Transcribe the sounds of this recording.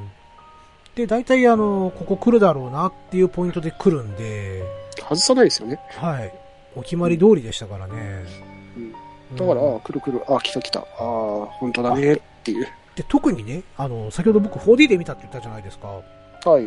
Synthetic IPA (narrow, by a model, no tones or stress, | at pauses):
d̪̥e̞d̪ait̪aiano̞ko̞ko̞kɯ̟ɾɯ̟d̪aɾo̞ːnat̪ːe̞jɯ̟ːpo̞ĩnt̪o̞d̪e̞kɯ̟ɾɯ̟̃nd̪e̞hazɨsanaid̪esɨjo̞ne̞hai | o̞kʲimaɾʲid̪o̞ːɾʲid̪e̞ɕi̥t̪akaɾa̰ne̞ | ɯ̟̃ɴ | ɯd̪akaɾakɯ̟ɾɯ̟kɯ̟ɾɯ̟ʔakʲi̥t̪akʲi̥t̪a̰aːhõ̞nt̪o̞d̪anet̪ːejɯ̟ | t̪ːe̞t̪o̞kɯ̟ɲ̟ine̞ano̞sakʲihod̪obo̞kɯ̟ɸo̞ːd̪iːd̪e̞mʲit̪at̪ːejɯ̟t̪ːaʑanaid̪e̞sɨ̥ka̰ | hai